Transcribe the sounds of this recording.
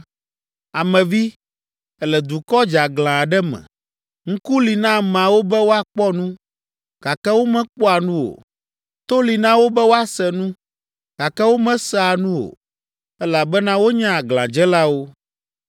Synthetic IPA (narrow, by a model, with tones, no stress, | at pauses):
a˨mɛ̃˨vi˦ | ɛ˦lɛ˨d̪u˨kɔ˦d͡ʒa˨ɡlã˨ɖɛ˦mɛ̰̃˨ | ŋ̩˦ku˦li˨nã˦m˨a˨wo˦bɛ˦wo˦a˨k͡pɔ˦nũ˦ | ɡ̥a˨kɛ˦wo˦mɛ̃˦k͡pɔ˦a˨nũ˦o̰˨ | t̪o˦li˨nã˦wo˦bɛ˦wo˦a˦sɛ˨nũ˦ | ɡ̥a˨kɛ˦wo˦mɛ̃˦sɛ˦a˨nũ˦wo̰˨ | ɛ˦la˨bɛ˦nã˦wo˦ɲã˦a˨ɡlã˨d͡ʒɛ˦la˦wo˦